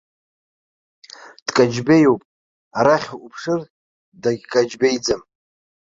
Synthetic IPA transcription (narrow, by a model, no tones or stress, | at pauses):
d̥kʼad͡ʒbejowpʼ | aɾaχʲaʔupʰʂɨr | daɡʲkʼad͡ʒbejd͡zɨm